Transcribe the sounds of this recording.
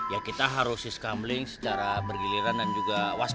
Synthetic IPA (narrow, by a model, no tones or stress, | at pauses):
jakit̪aɦaɾʊsiskamlɪŋsə̥t͡ʃaɾabərɡiliɾandand͡ʒuɡawas